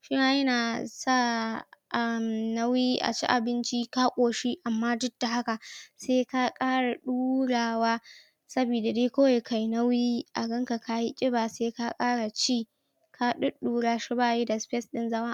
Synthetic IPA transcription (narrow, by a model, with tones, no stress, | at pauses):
ʃi˦naː˦jɐ˦naː˨sa˦˨ʔa˦˨mna˦wjiː˦ʔa̰˨t͡ʃḭ˦ʔa̰˨bɪ˦nt͡ʃi˦ka˦kʷʼoː˨ʃi˦ʔa˨mːaː˦dʊ˦d̥ːa˨ha˦ka˨seː˦ka˦kʼaː˦ɽa˨ɗuː˦ɽaː˨waː˦ | sɐ˦biː˨da˨deː˦kʷo˦wa˨jkʰa˨jnɐ˦wjiː˦ʔa˨ɡɐ˦ŋka˨ka˦ji˦t͡ʃʼɪ˦baː˨seː˦ka˦kʼaː˦ɽa˨t͡ʃiː˦˨ | kʰa˦ɗʊ˦ɗuː˦ɽaː˦ʃi˦baː˦˨je˦da˨spɛ˦sɗɪ˦nzɐ˦ma˦